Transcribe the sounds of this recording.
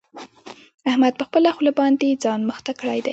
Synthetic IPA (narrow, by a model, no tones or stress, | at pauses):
ahmad̪̚pəxpəlaxulabɑnd̪ed͡zɑnməxt̪akɽajd̪aj